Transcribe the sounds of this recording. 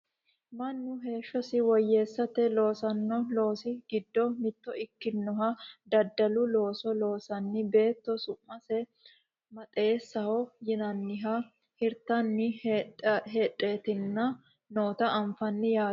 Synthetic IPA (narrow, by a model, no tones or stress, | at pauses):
mɐnːʊɦe̞ːʃːɔsɪwɔjːe̞ːsːɐt̪ɛlo̞ːsɐnːɔlo̞ːsɪɡɪd̪ːɔmɪd̪ːɔɪkːɪnːɔɦɐd̪ɐd̪ːɐlʊlo̞ːsɔlo̞ːsɐnːɪbe̞ːt̪ːɔsʊmːɐsɛ | mɐt̪ʼeːsːɐhɔjɪnɐnːɪɦɐ | hɪɾt̪ːɐnːɪ | ɦeːᶑʼeːt̪ɪnːɐ | noːt̪ɐʔːɱfɐnːɪjaː